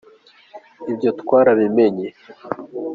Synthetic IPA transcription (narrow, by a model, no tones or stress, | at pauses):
ibjo̞tkwaːɾaβimeɲe